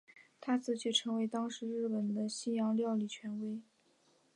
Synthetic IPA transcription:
t̪ʰa˥t͡sʰɹ̩˥˩t͡ɕʰy˥˩ʈ͡ʂʰɤ˧˥ŋwe˧˥ɪt̪ɑ˥ŋʂɻ̩˧˥ɻɻ̩˥˩pə˨˩nd̪ə˦ɕi˥jɑ˧˥ŋljɑ˥˧ʊli˥˩t͡ɕʰɥɛ˧˥nwe˥ɪ

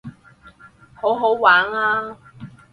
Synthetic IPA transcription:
ho˨˥wɦo˨˥wwaː˨˥ŋaː˥

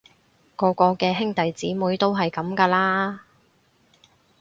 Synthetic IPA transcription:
kɔː˨˧kɔː˧kɛː˧ɦɪ˥ŋt̪ɐ˨jt͡siː˨˥muː˨˥jt̪o˥wɦɐ˨jkɐ˨˥mkaː˧laː˥

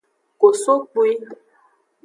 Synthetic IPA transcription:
ko˨so˦k͡pu˦i˦

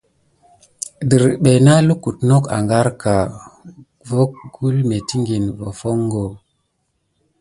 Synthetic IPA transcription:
di˨ɾɓe˨na˦lu˦ku˨tno˦ka̰˨ŋɡa˦ɾka˨ | vo˦k̚ɡu˦lme˨ti˦ŋɡi˨nvo˨fo˦ŋɡo˨

